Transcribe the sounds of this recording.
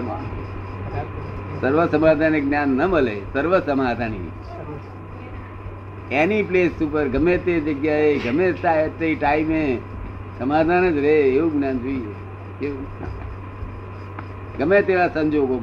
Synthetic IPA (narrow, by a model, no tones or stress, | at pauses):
səɾʋəsəmaːd̪ʱanek̚ɡnjanːəməlesəɾʋəsəmaːd̪ʱanḭ | enipleːsupəɾɡʱəmẽt̪ed͡ʒəɡjaeɡəmẽt̪aet̪ːeiʈaːime | səmaːd̪ʱanəd͡ʒɾeɦeːũɡnaːnd͡ʒoie | kḛ | ɡəmẽt̪eɾasə̃ɲd͡ʒoɡo